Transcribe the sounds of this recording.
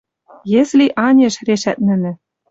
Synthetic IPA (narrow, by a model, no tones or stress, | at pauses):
jĕslʲiʔɑnʲeʃreʃæt̪̚nɘ̆nɘ̆